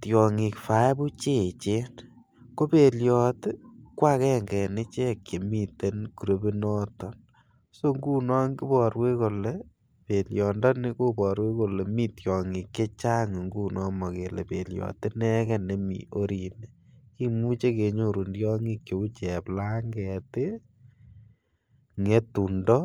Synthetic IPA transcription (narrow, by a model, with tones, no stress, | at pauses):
tjɔ˨ŋi˨kfa˨˦bu˦t͡ʃe˦˨t͡ʃe˦n | ko˦pe˨ljɔ˨tɪ˦kwa˦kɛ˦ŋɡɛ˨nɪ˦t͡ʃe˦kːe˨mi˦˨te˦nku˨ɾo˨bi˦nɔ˦tɔ˨n | so˦ŋɡu˦nɔ˦ŋɡi˦bɔ˨ɾwe˦ko˨le˦ | pe˨ljɔ˨ndɔ˦nɪ˦ko˦pɔ˨ɾwe˦ko˨le˨mi˦tjɔ˨ŋɪ˨ke˦t͡ʃa˦ŋ˨ŋɡu˦nɔ˦mɔ˨ke˨le˨pe˨ljɔ̰˨tɪ˦nɛ˦kɛ˦ne˦mḭ˨ʔo˦ɾi˨ne˨ | ki˦mu˦t͡ʃe˦ke˨ɲo˦˨ɾu˨ndjɔ˦ŋi˦kje˨u˦t͡ʃɛ˨pla˦ŋɡɛ˨tɪ˦ | ŋe˦tu˨ndɔ˦